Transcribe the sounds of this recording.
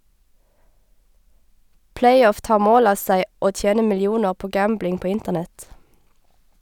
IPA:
ˈplæɪˌɔf ˈtɑːʁ ˈmoːl ˈɑː ˈsæɪ ˈoː ˈtjeːnə ˌmɪlɪˈuːnəʁ ˈpoː ˈɡæmblɪŋ ˈpoː ˈɪntəʁˌnɛt

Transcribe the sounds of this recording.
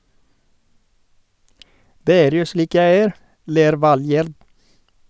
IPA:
ˈdeː ˈeːɾ ˈjuː ˈʃɭiːk ˈjæɪ ˈeːɾ ˈleːɾ ˈʋɑlˌjeːɾd

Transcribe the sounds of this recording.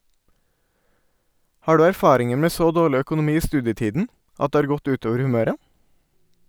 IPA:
ˈhɑː ˈɖʉː æɾˈfɑːɾɪŋəɹ ˈmeː ˈsoː ˈdoːɭɪ ˌœkʊnʊˈmiː ˈiː ˈstʉːdjəˌtiːdn̩ ˈʔɑt ˈdeː ˈɑɾ ˈɡɔt ˈʉːˌtoːʋəɾ hʉˈmøːɾə

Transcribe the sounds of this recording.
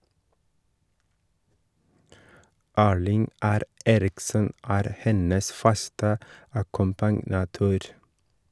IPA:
ˈæːɭɪŋ ˈæɾ ˈeːɾɪksən ˈæːɾ ˈhɛnəs ˈfɑstə ɑkʊmpɑnɑˈtøːɾ

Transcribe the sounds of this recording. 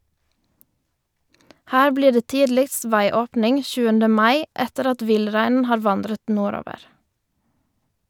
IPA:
ˈhæː ˈbliː ˈɖeː ˈtiːdlɪkst ˈʋæɪˌoːpnɪŋ ˈçʉːəndə ˈmɑɪ ˈɛtəɾ ˈɑt ˈʋɪlˌɾæɪnn̩ ˈhɑːɾ ˈʋɑndɾət ˈnuːˌɾoːʋəʁ

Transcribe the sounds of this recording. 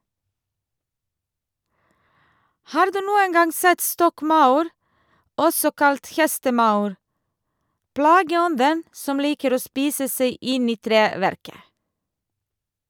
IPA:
ˈhɑːɾ ˈdʉː ˈnuːən ˈɡɑŋ ˈsɛt ˈstɔkˌmɑʉɾ ˈɔsɔ ˈkɑlt ˈhɛstəˌmɑʉɾ ˈplɑːɡəˌɔndən ˈsɔm ˈliːkəɾ ˈoː ˈspiːsə ˈsæɪ ˈɪn ˈiː ˈtɾeːʋæɾkə

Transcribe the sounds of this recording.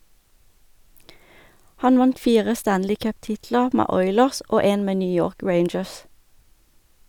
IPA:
ˈhɑn ˈʋɑnt ˈfiːʁə ˈstænlɪ ˈkœpˌtɪtlə ˈmeː ˈɔʏləʁs ˈoː ˈeːn ˈmeː ˈnyː ˈjoːʁk ˈɹeɪnd͡ʒəs

